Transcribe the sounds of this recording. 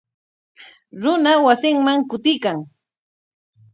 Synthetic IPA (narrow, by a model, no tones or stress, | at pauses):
ɾʊnawasɪŋmaŋkʊt̪ɪjkaŋ